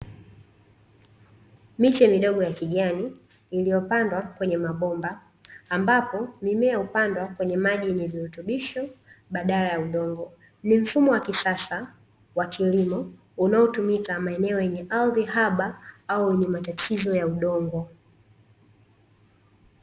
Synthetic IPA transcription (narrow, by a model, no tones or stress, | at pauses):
mit͡ʃɛmiɗɔɠɔjakiʄaniː | lijɔpandwakwɛɲɛmaɓɔmbaː | mbapɔmimɛjaupandwakwɛɲɛmaʄiniviutuɓiʃɔɓaɗalajauɗɔŋɡɔ | nim̩fumɔwakisasa | wakʰilimɔ | unaɔtumikamaɛnɛɔjɛɲɛʔalðiɦaɓaaujɛɲɛmatatʰizɔjauɗɔŋɡɔ